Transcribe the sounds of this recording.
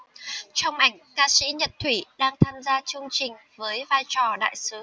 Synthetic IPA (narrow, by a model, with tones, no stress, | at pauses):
t͡ɕɔ˧wŋ͡mma˨˧˩jŋ̟kaː˧sḭ˧˥ɲə˨˩t̚t̪ʰwi˧˩ɗaː˧ŋt̪ʰaː˧mzaː˧t͡ɕɨ˧əŋt͡ɕï˨˩ŋ̟vəː˨˦jvaː˧jt͡ɕɔ˨˩ɗa̰ː˧˨jsɨ˨˦